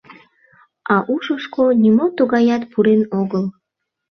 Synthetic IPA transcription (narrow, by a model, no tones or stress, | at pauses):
ɑʔuʃəʃkonimot̪uɣɑjɑt̪puɾenoɣəl